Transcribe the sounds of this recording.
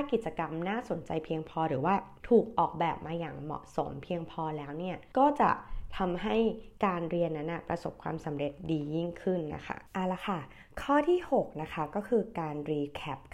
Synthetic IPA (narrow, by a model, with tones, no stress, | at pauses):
a˥˩ki˨˩t̪̚t͡ɕa˧ka˧mnaː˥˩so˩˦nt͡ɕa˧jpʰi˧əŋpʰɔː˧ɾɯː˩˦waː˥˩t̪ʰuː˨˩k̚ʔɔː˨˩k̚bɛː˨˩p̚maː˧jaː˨˩ŋmɔ̰˨˩ʔso̰˩˦mpʰi˧əŋpʰɔː˧lɛː˦˥wni˥˩ɐkɔː˥˩t͡ɕa̰˨˩t̪ʰa˧mɦa˥˩jkaː˧nɾi˧ənːa˦˥nʔa˧˩pɾa̰˧so˨˩p̚kʰwa̰ː˧msa˩˦mɾe˨˩t̪̚diː˧ji˥˩ŋkʰɯ˥˩nːa̰˦˥kʰa̰˦˥˩ʔa˨˩la˧˩kʰa˥˩ | kʰɔː˥˩t̪ʰiː˥˩ho˨˩k̚na˦˥kʰa˦˥kɔː˥˩kʰɯː˧kaː˧nɾiː˧kʰɛ˦˥p̚